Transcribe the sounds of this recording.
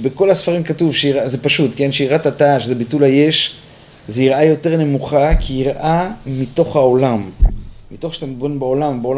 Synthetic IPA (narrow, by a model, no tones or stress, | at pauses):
beko̞lhasfaʁimkatuvʃeiʁazepaʃutkenʃeiʁatataʃezebitulhaje̞ʃ | zeiʁʔajo̞te̞ʁne̞muχakʰiiʁʔamit̪o̞χhao̞lamːito̞χʃe̥t̪ambonbaolambeola